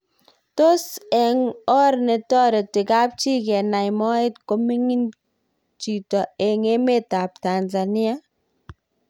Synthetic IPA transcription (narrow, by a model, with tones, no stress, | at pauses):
to˦sɛ˨ŋɔ˦ɾnɛ˨tɔ˦ɾɪ˨tɪ˨ka˦p̚t͡ʃi˦kɛ˨na˨jmɔ˦ɪ˦tko˦mi˦ŋi˦n | t͡ʃi˨tɔ˨ɛ˨ŋe˦me˦ta˨p̚ta˨nza˨ni˦a˦